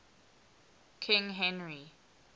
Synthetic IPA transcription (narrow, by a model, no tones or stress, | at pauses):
kʰɪ̃ŋɦɛ̃nɹi